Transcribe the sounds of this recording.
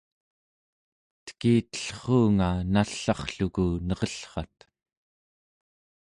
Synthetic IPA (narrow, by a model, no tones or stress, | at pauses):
t̪ə̥kiːt̪ə̥ɬχuːŋanaɬːɑχɬukunʌʁʌɬχɑt̪